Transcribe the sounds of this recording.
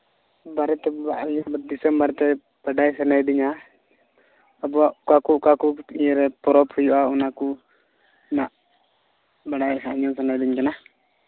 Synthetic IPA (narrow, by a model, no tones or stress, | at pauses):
baɾɛt̪ɛbaʔjɔbd̪isɛmbaɾɛt̪ɛ | b̥aɖajsənajdiɲa | abɔakakukakuiɛɾɛpɔɾɔphujuʔaunaku | naʔ | baɖajsaɲɔnsənajdiɲkɛna